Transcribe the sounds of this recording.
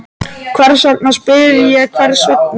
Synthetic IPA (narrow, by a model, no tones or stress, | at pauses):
kʰvɛɾsak̚naspɪðɪjɛkʰvɛɾsœk̚n